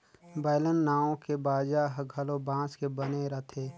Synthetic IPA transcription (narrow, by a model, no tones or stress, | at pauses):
baːɪlənːaːõkebaːd͡ʒaɦɡʱɐlobãːskebəneɾɐt̪ʰeː